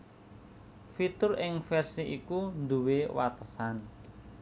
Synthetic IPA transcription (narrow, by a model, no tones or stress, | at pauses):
fit̪ʊrɪŋfɛrsiʔikund̪uwewa̰t̪əsan